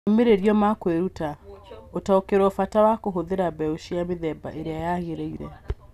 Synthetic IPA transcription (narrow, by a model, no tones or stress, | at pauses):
meɾeɾjɔmakweɾutaotaokeɾɔfatawakoɦoðeɾabɛoʃiameðɛba̰ʔeɾeajaɣeɾeiɾɛ̰